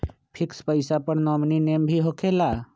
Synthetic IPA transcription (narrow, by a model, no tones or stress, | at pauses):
pʰɪkspəɪsapəɽnɔːmnineːmbʱiɦokʰela